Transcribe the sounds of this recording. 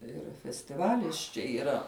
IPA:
ˈɪr fʲɛsʲtʲɪˈʋɑːlʲɪs t͡ʃʲɛ iːˈrɐ

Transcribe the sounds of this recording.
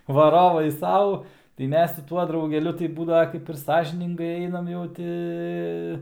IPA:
ʋɐˈroːʋɐɪ ˈsɐʊ tɐɪ ˈmʲɛs sʊ ˈtuɔ drɐʊɡʲɛˈlʲʊ tɐɪ ˈbuːdɐʋɐ kɐɪp ɪr ˈsɑːʒʲɪnʲɪŋɡɐɪ ˈɛɪnɐm jɛʊ ˈtʲɪ

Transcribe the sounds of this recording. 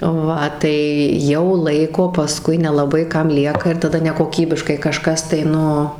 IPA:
ˈʋɐ tɐɪ ˈjɛʊ ˈlˠɐɪkoː pɐˈskʊɪ nʲɛlˠɐˈbɐɪ ˈkɐm ˈlʲiɛkɐ ɪr tɐˈdɐ nʲɛkoːˈkʲiːbʲɪʃkɐɪ kɐˈʃkɐs tɐɪ ˈnʊ

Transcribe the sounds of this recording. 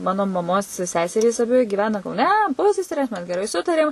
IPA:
ˈmɑːnoː mɐˈmoːs ˈsʲæːsʲɛrʲiːs ɐˈbʲɪ ɡʲɪˈʋʲæːnɐ kɐʊˈnʲɛ ˈpʊsʲɛsʲɛrʲeːs ˈmʲɛs ɡʲɛˈrɐɪ ˈsʊtɐrʲeːm

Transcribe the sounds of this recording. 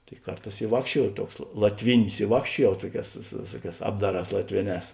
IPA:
tɐɪ ˈkɐrˌtɑːs ɪ ˈʋɑːkʃʲt͡ʃʲuɔjɛʊ ˈtuɔks lˠɐ lˠɐtʲˈʋʲɪnʲɪs ɪ ˈʋɑːkʃʲt͡ʃʲuɔjɛʊ ˈtuɔˌkʲɛːs sʊ sʊ ˈʋʲeːsuɔˌkʲɛːs ˈɑːbdɐˌrɑːs lˠɐtʲˈʋʲeːˌnʲɛːs

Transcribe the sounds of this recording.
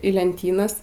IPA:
iː lʲɛnʲˈtʲiːnɐs

